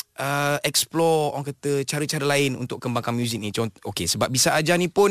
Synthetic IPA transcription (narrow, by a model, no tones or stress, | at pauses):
ʔəʔɛksplɔɔ̰waŋkət̪ət͡ʃaɾət͡ʃaɾəlaɪnṵnt̪ʊk̚kəmbaŋkanmjuzik̚nit͡ʃaokesəbap̚bisaʔad͡ʒanĩpʊn